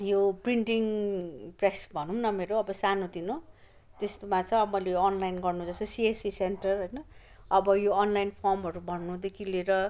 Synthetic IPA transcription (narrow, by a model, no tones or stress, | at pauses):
jopriɳʈiŋpresbʱʌnũnʌmeɾoʌbʌsanod̪ino | t̪est̪omat͡sʌ̃ʌbʌmʌjlejoːnlajnɡʌrnud͡zʌst̪osiesisenʈʌrɦʌjnʌ | ʌbʌjoːnlajnpʰormʌɾubʱʌnːud̪ekʰileɾʌ